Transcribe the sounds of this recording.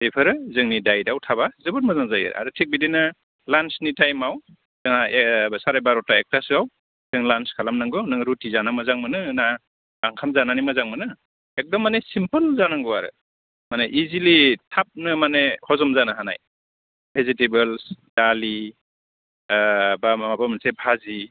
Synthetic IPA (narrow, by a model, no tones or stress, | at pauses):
sepʰɯɾɯzɯŋnidajdawtʰabazɯbɯt̚mazaŋzajɯ̰ɾ̰a̰ɾɯtʰik̚bidina | lansnitajmaw | zaŋabsaɾajbaɾɔtaek̚tʰasɯaw | z̥ɯŋlanskʰalamnaŋɡɔnɯŋɾutizanamazaŋmɯnɯna | ɡaŋkʰamzananimazaŋmɯnɯ | ek̚dɔmːanesimpɯlzanaŋɡɔaɾɯ̰ | maneʔizilitʰap̚nɯmanehɔzɔmzanaɦana̰j | bʰʱezitebɯlsd̥ali | bamabamansebʱazi